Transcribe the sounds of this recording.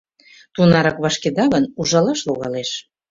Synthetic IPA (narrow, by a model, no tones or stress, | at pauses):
t̪unɑɾɑkβɑʃked̪ɑɣənuʒɑlɑʃluɣɑ̰leʃ